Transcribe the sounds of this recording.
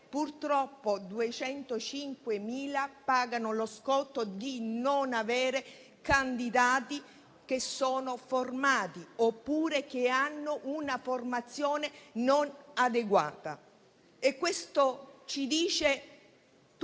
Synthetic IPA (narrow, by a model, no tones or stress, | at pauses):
purt̪ɾɔpːod̪uet͡ʃɛnt̪ot͡ʃiŋkwemiːlapaːɡanoloskɔt̪ːod̪inonavɛːɾe | kand̪id̪aːt̪i | k̟esːoːnoformaːt̪iopːuːɾek̟eanːʊʔunaformat̪sːjoːnenonad̪eɡwa̰ːt̪a̰ | ekːwest̪ot͡ʃid̪iːt͡ʃe | t̪